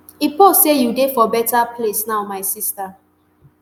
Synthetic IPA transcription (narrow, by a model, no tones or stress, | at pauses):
iposejudefɔbɛtapʰlesnaʊmaɪsista